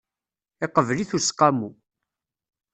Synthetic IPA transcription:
ɪqəvliθusqːɑmu

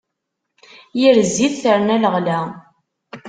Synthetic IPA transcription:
jiɾzːiθθəɾnæləʁlæ

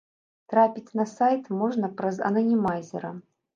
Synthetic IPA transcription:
t̪ɾapʲit͡sʲnɐsajt̪moʐnɐpɾɐzɐ̰nɐnʲimajzʲɪ̰ɾɐ

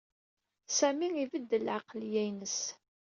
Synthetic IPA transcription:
sæmiivəd̪ːəlʕɑqljæjnəs

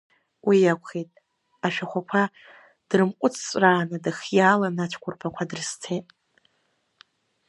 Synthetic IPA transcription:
wijakʷʰʼχejtʼ | aʃᶣaχʷakʷʰa | d̥rɨmqʷʼʊt͡sʰt͡sʷʼraːnɨdɨχjaːlanat͡ʃʷʰkʷʰʊrpʰakʷʰadɨrɨst͡sʰejtʼ

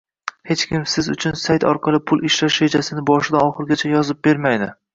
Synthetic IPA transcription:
he̞t͡ʃkʲɪmsɪzʊ̰t͡ʃʰʊnsajt̪ʰɒ̰ɾqʰɑlˠɪpʰʊlˠʔɪʃlaʃed͡ʒasɪnɪbɒʃɪd̪aɒχɨɾɡʲat͡ʃʰajɒzɪp̚be̞ɾmajd̪ɪ

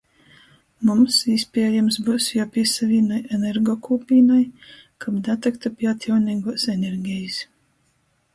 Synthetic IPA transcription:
mumsispʲiɛjamsbusjapʲiɛsavʲiːnajɛnʲɛɾɡɔkʰuːpʲiːnajkʰabd̪at̪akt̪apʲiat̪ʲjawniːɡuːsɛnʲɛɾɡʲɛjis

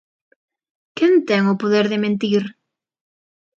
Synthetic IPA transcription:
kɛnt̪ɛŋʊpoðeɾðɪmẽnt̪iɾ

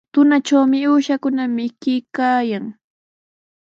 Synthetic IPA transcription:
t̪ʊnat͡ʃawmɪuːʃakʊnamɪkɪkaːjaŋ

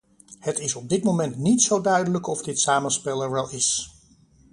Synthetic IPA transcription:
hətɪsɔb̚dɪtmowmɛntnitsowdœɥdələkɔvdɪtsaːməspɛlˠəɹʋɛlˠɪs

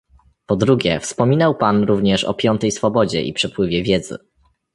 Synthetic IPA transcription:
pɔd̪ɾuɡʲɛfspɔmʲinawpanɾuvɲɛʂɔ̰pʲjɔnt̪ɛjsfɔbɔd͡ʑɛ̰ʔḭpʂɛpwɘvʲjɛvʲjɛd̪zɘ̰

